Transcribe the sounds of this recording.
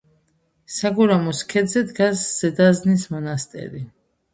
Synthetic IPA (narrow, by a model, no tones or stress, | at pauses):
saɡɔɾamɔskʰɛd̪zɛd̪ɡasz̥ɛd̪aznismɔnast̪ʼɛ̰ɾi